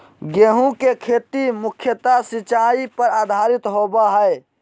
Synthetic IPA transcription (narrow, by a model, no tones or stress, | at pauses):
ɡeːɦũkekʰeːt̪imʊkʰjət̪asɪt͡ʃaːipəɾaːd̪ʱaːɾɪt̪ɦoːbaɦɛe